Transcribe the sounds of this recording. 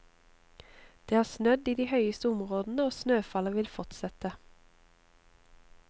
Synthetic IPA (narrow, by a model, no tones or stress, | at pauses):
d̪̥eːæːʁsnœd̪iːd̪iːhœʏəst̪əʊmʁoːd̪n̩əoːsnøːfɑləʋɪlfɔt̪sɛt̪ə